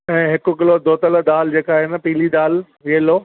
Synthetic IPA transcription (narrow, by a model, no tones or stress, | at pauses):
ɛ̃ːɦɪkʊ̆k̬ɪlod̪oːt̪ələd̪aːld͡ʑeːkaːɦenəpiːlid̪aːl | ʋiəloː